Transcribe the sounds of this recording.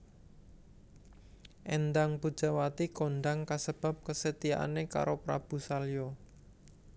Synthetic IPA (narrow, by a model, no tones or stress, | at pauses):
ʔɛnd̪aŋpud̥ʒ̥a̤wat̪ikonɖ̪aŋkasəb̥a̤p̚kəsət̪iaʔa̰neka̰ɾopɾa̰b̥ṳsaljo